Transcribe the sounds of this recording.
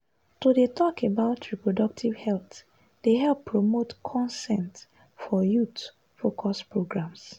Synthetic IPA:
tudetʰɔkebaʊtʰɹipɹodʌk̚tʰivhɛlθ | d̥eɦɛlpʰːɹomotkʰɔ̃nsɛ̃nt | fɔjut | fokʰɔspɹoɡɹãms

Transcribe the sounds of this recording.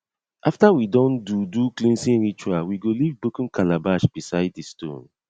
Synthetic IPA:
ʔaftawidɔ̃nduduklĩnsĩnɹit͡ʃuawiɡolivbokũnkʰalabaʃb̥isaɪddistõ̰n

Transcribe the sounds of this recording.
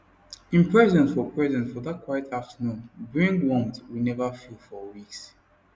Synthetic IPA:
ĩnpʰɹɛzɛ̃nsfɔpʰɹɛzɛ̃ntfɔðat̚kʰwajtʰaftənũmbɹĩŋɡwɔ̃mtwinɛvəfilfɔwiks

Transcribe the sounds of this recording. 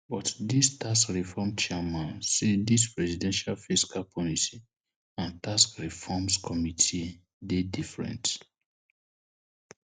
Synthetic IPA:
bɔtdistʰaskɹifɔmt͡ʃamãnsidispɹɛsidɛ̃nʃalfiskalpʰɔliti | ãntaskɹifɔmskʰɔmitʰi | dedifɹɛ̰̃nt

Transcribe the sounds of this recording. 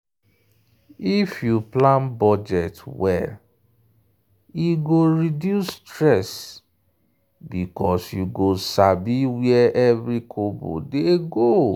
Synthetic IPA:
ifjuplãnbɔd͡ʒɛtwɛ̰l | iɡoɹidjustɹɛs | bikɔsjuɡosabiwiɛʔɛvɹikʰobo̰deɡo

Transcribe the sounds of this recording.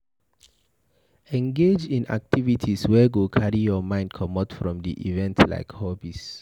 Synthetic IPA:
ɛ̃ŋɡed͡ʒĩna̰k̚tʰivitʰiswɛɡokʰaɹijɔmãɪ̃nd̚kʰɔmɔtfɹɔ̃mdiʔḭvɛ̃ntla̰ɪkhɔbis

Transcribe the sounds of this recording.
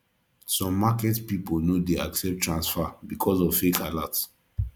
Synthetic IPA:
sɔ̃mːakɛtpipolnodeaksɛp̚tʰːɹãnsfabikʰɔzɔvfekʰalats

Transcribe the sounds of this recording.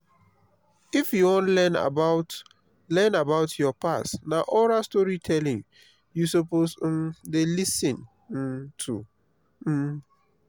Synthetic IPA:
ifjuwɔ̃nlɛna̰baʊt | lɛ̃nabaʊtʰjɔpasnaʔɔɾastɔɹitʰɛlɪ̃ŋ | jusopos̩mdelisɪ̃n̩ | tʰṵ

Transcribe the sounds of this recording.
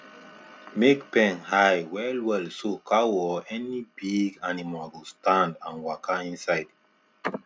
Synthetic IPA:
mekpɛ̃nhajwɛlwɛlsokʰawɔɛnibiɡanimalɡostãndãnwakaĩnsajd

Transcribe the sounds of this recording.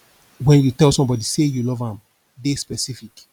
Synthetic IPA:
wɛ̃njutɛlsɔ̃mbɔdisejulɔvãm | despɛsifik

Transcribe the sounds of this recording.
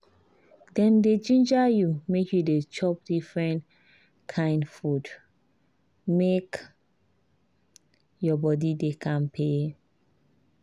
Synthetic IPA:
dɛ̃nded͡ʒĩnd͡ʒajumekʰjudet͡ʃɔp̚difɹɛ̃nt | kʰãɪ̃ndfud | mek | jɔbɔdidekʰãnpʰe

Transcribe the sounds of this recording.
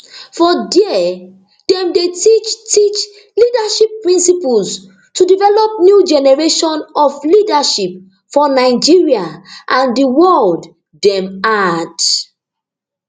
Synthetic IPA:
fɔdiɛ | d̥ɛ̃mdetit͡ʃtit͡ʃ | lidaʃipːɹĩnsipuls | tudivɛlɔp̚njud͡ʒɛnɛɹeʃɔ̃nɔflidaʃip̚ | fɔnaɪd͡ʒiɹiaʔãndiwɔld | dɛ̃mad

